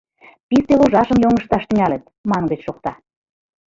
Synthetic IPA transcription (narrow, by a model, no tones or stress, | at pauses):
pist̪eloʒɑʃəmjoŋə̆ʃt̪ɑʃt̪ɘ̆ŋælə̆t̪̚ | mɑnɡə̆t͡ɕʃok̚t̪ɑ